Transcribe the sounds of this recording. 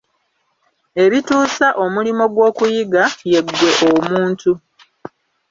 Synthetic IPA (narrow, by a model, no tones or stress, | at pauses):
e̞βituːsaʔo̞mulimo̞ɡwo̞ːkujiɡaje̞ɡːwe̞ʔomuːntu